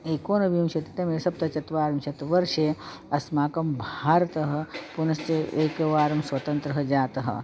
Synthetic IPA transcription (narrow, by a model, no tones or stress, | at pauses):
eːkoːnɐʋiũmt͡ʃʰɐt̪it̪ɐmeːɾesɐb̚t̪ɐt͡ʃɐt̪ʋaːɾɐmt͡ʃʰɐt̪ʋɐɾʃe | ɐsmaːkɐmbʱaːɾt̪ɐɦɐpunɐst͡ʃeeːkɐʋaːɾɐmsʋɐt̪ɐnt̪ɾɐɦɐd͡ʒaːt̪ɐɦɐ̰